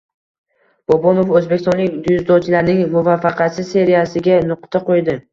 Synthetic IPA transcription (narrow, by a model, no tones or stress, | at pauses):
b̥ɒbɒnofɵzbe̞kʲʰɪst̪ɔnlɪkʲd̪ʊzd̪ɒt͡ʃʰlaɾnɪŋmʊvafːɑqʰɑt͡ʃɪzse̞ɾijasɪɡʲanʊqt̪ʰaqʰojd̪ɪ